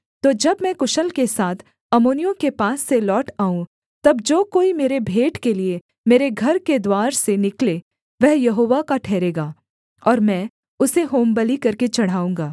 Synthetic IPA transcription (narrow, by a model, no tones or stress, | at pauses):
t̪oːd͡ʒɐbmɛ̃kʊʃəlkesaːt̪ʰ | ɐmoːnijõkepaːsːelɔːʈaːũ | t̪ɐbd͡ʒoːkoːimeːɾebʱeːʈkelie | meːɾeɡʱɐɾked̪waːɾsenɪkleː | ʋɛɦjɐɦoːʋakaʈʰɛːɾeːɡaː | ɔːɾmɛ̃ː | ʊseɦoːmbəlikɐɾket͡ʃɐɽ̤aːũːŋɡaː